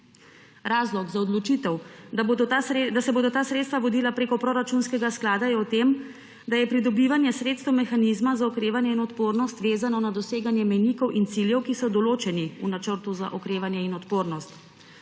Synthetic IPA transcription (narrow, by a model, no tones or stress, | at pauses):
ɾaːzlɔɡzaɔd̪lɔt͡ʃit̪ɛw | d̪asɛboːd̪ɔt̪aːsɾet̪st̪ʋaʋɔd̪iːlapɾeːkɔpɾoɾat͡ʃunskɛɡasklaːd̪ajɛɔt̪em | d̪ajɛpɾid̪ɔbiʋanjɛsɾeːt̪st̪ɛwmɛxanizmazaɔkɾeːʋanjɛinɔt̪poːɾnɔst̪ʋeːzanɔnad̪ɔseːɡanjɛmɛjnikɔwʔint̪siljɛwkisɔd̪ɔloːt͡ʃɛniunat͡ʃəɾt̪uza̰ʔɔkɾeːʋanjɛinɔt̪poːɾnɔst̪